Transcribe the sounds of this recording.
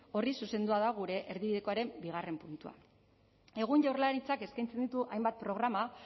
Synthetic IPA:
o̞risuse̞nd̪uaðaɣuɾe̞ʔeɾðiβiðe̞ko̞aɾe̞mbiɣ̞are̞mpunt̪ua̰ | e̞ɣ̞uɲʝawrlanit͡sake̞skajnt͡send̪it̪uʔajmbat̪̚pɾo̞ɣ̞ɾama

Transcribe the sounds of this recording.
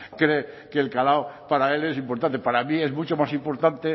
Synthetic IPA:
kɾe | keːlkalawpaɾae̞le̞s̬impoɾt̪ant̪epaɾamie̞zmut͡ʃomasimpo̞ɾt̪ant̪e

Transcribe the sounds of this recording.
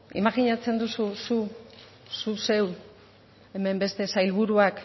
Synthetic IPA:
ḭmaɣiɲat͡se̞nd̪ususu | suse̞w | e̞me̞mbe̞st̪e̞sajlβ̞uɾuak

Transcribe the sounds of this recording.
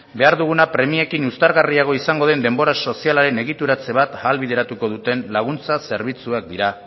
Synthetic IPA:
be̞aɾðuɣ̞unapɾe̞mie̞kinust̪aɾɣariaɣ̞o̞isaŋɡo̞ð̞e̞nd̪e̞mbo̞ɾaso̞sialaɾe̞ne̞ɣ̞it̪uɾat͡se̞β̞at̪aːlβið̞e̞ɾat̪uko̞ð̞ut̪e̞nlaɣ̞unt͡sase̞ɾβ̞it͡suak̚d̪iɾa

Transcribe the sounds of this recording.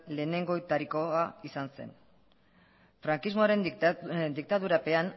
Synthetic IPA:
le̞ːne̞ŋɡo̞et̪aɾiko̞aisanse̞̰n | fɾaŋkizmo̞aɾe̞nnd̪ik̚t̪aðuɾape̞an

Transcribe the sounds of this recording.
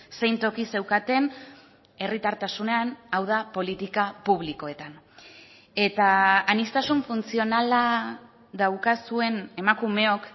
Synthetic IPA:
se̞jnt̪o̞kise̞wkat̪e̞n | e̞rit̪aɾt̪asune̞anawðapo̞lit̪ikapuβ̞liko̞e̞t̪an | e̞t̪aːnist̪asuɱfunt͡sio̞nala | ðawkasue̞ne̞makume̞o̞k

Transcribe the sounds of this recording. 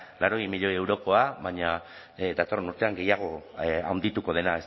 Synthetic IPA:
laɾo̞ɣimiʎo̞je̞wɾo̞ko̞aβaɲa | d̪at̪o̞renuɾt̪e̞aŋɡe̞jaɣ̞o̞a̰wnd̪it̪uko̞ð̞e̞naes

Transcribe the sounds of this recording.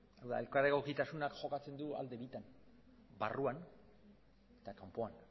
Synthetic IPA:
awða̰elkaɾeɣo̞kit̪asunakʝo̞kat͡se̞nd̪ua̰ld̪e̞βit̪an | baruan | et̪akampo̞an

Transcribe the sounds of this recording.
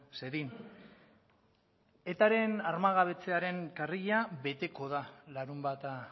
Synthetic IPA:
se̞ðin | e̞t̪aɾe̞naɾmaɣaβ̞e̞t͡se̞aɾe̞ŋkariʎaβe̞t̪e̞ko̞ð̞alaɾumbat̪a

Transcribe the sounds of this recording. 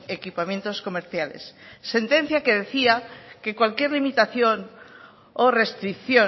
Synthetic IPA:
ekipamjẽ̞nt̪osko̞meɾθjalḛsːe̞nt̪e̞n̟θjake̞ðe̞θiake̞kwalkje̞ɾlimit̪aθjon | ore̞st̪ɾikθjo

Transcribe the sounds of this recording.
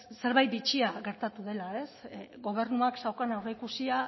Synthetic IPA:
se̞ɾβajt̪̚bit͡ʃiaɣe̞ɾt̪at̪uðe̞lae̞sɣo̞β̞e̞ɾnuaksawkanawreikusia

